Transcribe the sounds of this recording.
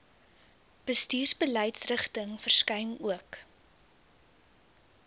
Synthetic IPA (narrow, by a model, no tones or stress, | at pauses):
b̥əstiːrsbəlɛjtsrəχtəŋfərskɐjnuək